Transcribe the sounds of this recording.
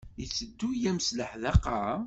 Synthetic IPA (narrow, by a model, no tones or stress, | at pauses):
jət͡sːəd̪ːujæmsləħðɑqɑ